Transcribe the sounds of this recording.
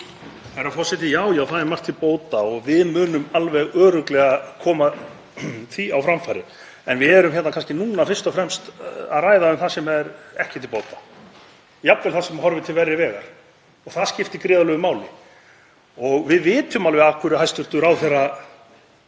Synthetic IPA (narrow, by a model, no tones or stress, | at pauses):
ɛɾafɔsɛt̪ɪjaːwjaːwθaðɛɾmar̥t̪ʰɪlpoːwt̪aɔɣvɪðmʏːnʏmalvɛɣœːɾʏklɛɣakʰɔːma | θiawfɾamfajɾɪ̰ | ɛnvɪðɛɾʏmçɛt̪nakʰanscɪnuːnafɪr̥st̪ɔfɾɛmst̪a̰ðraːjðaʏmθasɛmɛɾɛhcɪt̪ʰɪlpoːwt̪ḁ | jap̪vɛlθasɛmɦɔɾvɪt̪ʰɪlvɛrjɪvɛːɣa̰ɾ̥ | ɔɣθaðscɪft̪ɪkɾɪːðalœɣʏmaːwlɪ̰ | ɔɣvɪðvɪːt̪ʏmalvɛɣakʰʏɾʏajst̪ʏɾ̥t̪ʏɾawθɛra